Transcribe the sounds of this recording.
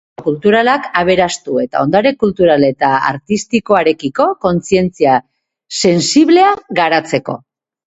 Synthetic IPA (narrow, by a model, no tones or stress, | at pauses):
kult̪uɾalakaβ̞e̞ɾast̪ue̞t̪a̰o̞nd̪aɾe̞kult̪uɾale̞t̪aa̰ɾt̪ist̪iko̞aɾe̞kiko̞ko̞nt͡sie̞nt͡sia | se̞nsiβle̞aɣaɾat͡se̞ko̞̰